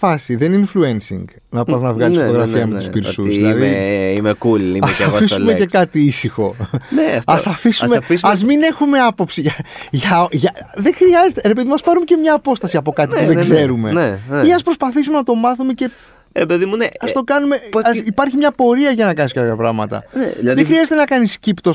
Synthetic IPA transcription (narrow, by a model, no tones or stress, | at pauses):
fɐsiðe̞ninfluensḭŋɡ | nɐpɐznɐvɣɐlisot̪oɣɾɐfiɐmeuspiɾsuiðlɐðeimekuliɐesɐisulmecekɐt̪iisixo̞neɐsɐfismefisɐzmine̞xume̞ɐpo̞psiʝɐʝɐʝɐðe̞xɾiɐzet̪e̞ɾep̬e̞ðimɐspɐɾumece̞mɲɐːpo̞st̪ɐsiɐpo̞kɐt̪ipuðeɡze̞ɾumeneneiɐspɾo̞spɐθisume̞nɐt̪o̞mɐθume̞ce̞ | ɾepeðimuneɐst̪o̞kɐnume̞ɐipɐɾçimɲɐpo̞ɾiɐʝɐnɐkɐniskɐpçɐpɾɐɣmɐ̰t̪ɐ̰neðexɾiɐzet̪e̞nɐkɐniscipt̪o̞s